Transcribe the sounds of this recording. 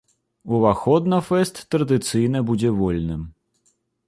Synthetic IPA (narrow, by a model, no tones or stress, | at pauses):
uvaxɔd̪nɐfɛst̪ːɾɐd̪ɨt̪sɨjnɐbud͡zʲɛvɔlʲnɨm